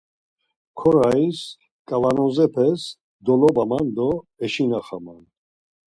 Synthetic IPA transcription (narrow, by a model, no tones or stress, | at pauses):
kʰɔɾais | kʼavanɔzɛpʰɛs | d̪ɔlɔbamand̪ɔɛʃinaχaman